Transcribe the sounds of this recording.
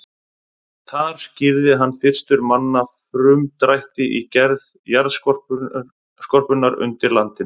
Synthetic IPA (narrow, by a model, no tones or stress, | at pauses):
θaɾ̥scɪɾðɪɦanːfɪr̥st̪ʏɾmanːafɾʏmt̪ɾajht̪ɪʔicɛɾð | jaɾðskɔrp | skɔr̥pʏnaɾʏ̰nt̪ɪɾlant̪ɪn